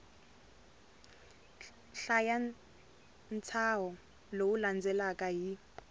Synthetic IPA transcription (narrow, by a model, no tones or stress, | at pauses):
ɬaja | nt͡sʰaɦɔ | lowuland͡zʱɛlakʼaɦi